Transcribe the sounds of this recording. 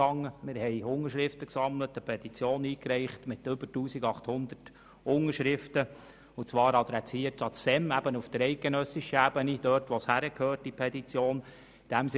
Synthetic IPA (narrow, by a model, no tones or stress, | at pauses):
ɑŋːəmɪɾhɛɪʊŋəɾʃɾɪftəksɑmlətəpʰɛdit͡sjoːniːkɾɛɪχtmɪtʏbətuːsiɡɑχthʊnd̪ərt | ʊŋəʃɾɪftə | ʊt͡sʋɑːɾɑd̪ɾɛt͡siːətɑt͡sd̥ɛmæbənufd̥̪əɾɛɪt̚ɡenœsɪʃəæbənid̥øːɾtʋɔshæɾəkʰhøːɾt̚dipʰɛdit͡sjoːn | id̥æms